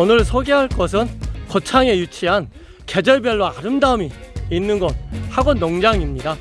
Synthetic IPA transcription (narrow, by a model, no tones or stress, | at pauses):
ʌnɯɾsʰoɡeɦaɭk͈ʌs̬ʰɯnkʌt͡ɕʰaŋe̞jut͡ɕʰiɦan | ke̞d͡ʑʌɭbjʌɭːoaɾɯmdaɯmiːnːɯnɡʌt̚haɡonːʌŋd͡ʑaŋimɲida